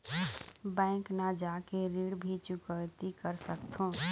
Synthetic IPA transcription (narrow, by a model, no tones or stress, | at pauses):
bɛ̃ːknəd͡ʒakeɾiɽbʱit͡ʃʊkəjt̪ikəɾsəkt̪ʰõ